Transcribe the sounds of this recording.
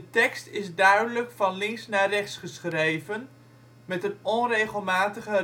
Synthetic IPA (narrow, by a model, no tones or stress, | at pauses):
dətɛkstɪzdœɥdələkfɑnlɪŋsnaːrɛχtsχəsχrejvən | mɛtənɔnrejχəlˠmaːtəχə